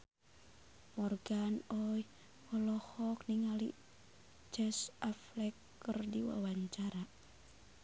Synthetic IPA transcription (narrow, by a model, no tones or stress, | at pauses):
mɔrɡanɔj | wɔlɔhɔkniŋalḭ | t͡ʃɛsʔaflɛkːərdiwa̰waɲt͡ʃaɾa